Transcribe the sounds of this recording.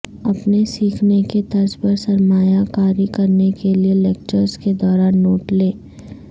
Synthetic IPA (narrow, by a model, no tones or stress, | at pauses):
ɐpnesiːkʰneket̪ɐɾspɐɾsɐɾmaːjakaːɾikɐɾnekelieleːk̚t͡ʃəɾsked̪ɔːɾaːnːoːʈleː